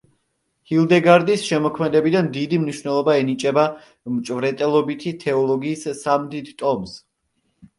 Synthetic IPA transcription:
hilˠd̪ɛɡaɾd̪isʃɛmɔkʰmɛd̪ɛbid̪and̪id̪imniʃwnɛlˠɔbaɛnit͡ʃʼɛba | mt͡ʃʼvɾɛt̪ʼɛlˠɔbit̪ʰit̪ʰɛɔlˠɔɡiːssːamd̪id̪t̪ʼɔms

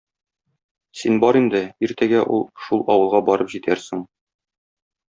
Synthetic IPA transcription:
sinbɒɾind̪ɘiɾt̪æɡæʔṵlˠʃulˠɒwɤ̆lˠʁɑbɒɾɤpʑit̪ʰæɾsɘŋ

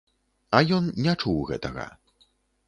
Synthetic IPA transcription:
ɐjɔnnʲɛt͡ʂuwɣɛ̰t̪ɐɣɐ̰

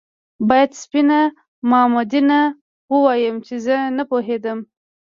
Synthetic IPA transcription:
bɑjad̪spina | mɑmod̪ina | wəwɑjəmt͡ʃezənapoɦed̪əm

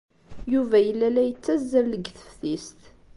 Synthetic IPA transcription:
juvæjəlːælæjət͡sːæzːæləɡθə̥fθist̪

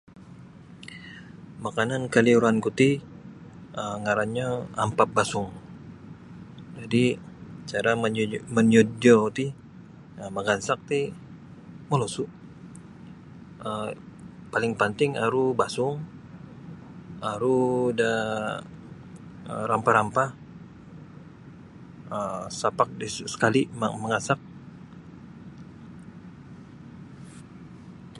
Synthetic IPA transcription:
makanankaliuɾankut̪i | əŋaɾaɲaampap̚basʊŋ | d͡ʒadi | t͡ʃaɾaməməɲod͡ʒot̪i | əmaɡansak̚t̪i | molosuʔ | ə | palɪŋpənt̪ɪŋaɾubasʊŋ | aɾuda | ə̰ɾampaɾampa | əsapak̚dissə̥kalimməŋɡansak̚

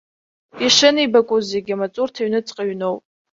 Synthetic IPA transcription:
iʂɨnibakʷʼuzeɡʲamat͡sʼurtʰaɥnɨt͡sʼqʼaɥno̞wpʼ

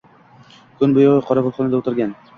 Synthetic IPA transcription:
kʰɵnbʊjoʁɨqʰɒɾɑbolˠχɒnɪd̪aot̪ɪɾɡʲan

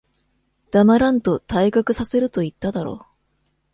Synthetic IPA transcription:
d̪̥amaɾãnt̪o̞t̪aikakɯ̟sase̞ɾɯ̟t̪o̞it̪ːad̪aɾo̞̰ː

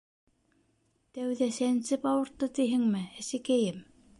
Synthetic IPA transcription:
t̪æwðæsænsɘpɑwɤ̆ɾt̪ːɤt̪iɦɘŋmɘæsɘ̆kæjɘm

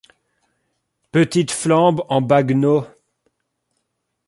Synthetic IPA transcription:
pət̪it̪flɑ̃bɑ̃baɡno

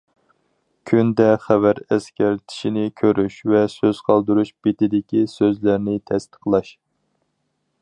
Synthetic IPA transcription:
kʲʰynd̪ɛχævæɾɛskʲɛɾt̪ʰi̥ʃinɪkʲʰøɾyʃvɛsøz̥qʰɑlˠd̪ɨɾuʃb̥et̪ɪd̪ɪkʲisøzlæɾnɪt̪ʰɛst̪ʰə̥qlˠɑʃ

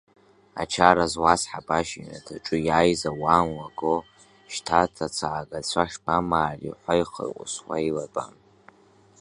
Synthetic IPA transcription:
a̰t͡ʃʰaɾazwasħapʼaʃinatʰaʈ͡ʂʼɨjaːjzawanwaɡo | ʃtʰatʰat͡sʰaʕaɡʼat͡ɕʷʰaʂbamaːrḭħʷajχə̰rqʷʼʊ̰swa̰ilapʼa̰m

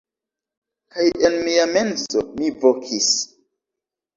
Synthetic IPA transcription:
kajenmiame̞nsomivokʰis

